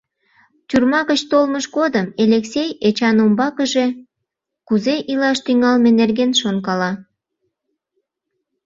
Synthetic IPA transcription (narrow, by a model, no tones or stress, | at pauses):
t̪ʲyrmɑɣət͡ɕt̪olməʃɡod̪əmeleksejet͡ɕɑnombɑkəʒe̽ | kuzeʔilɑʃt̪yŋɑlmenerɡenʃonkɑlɑ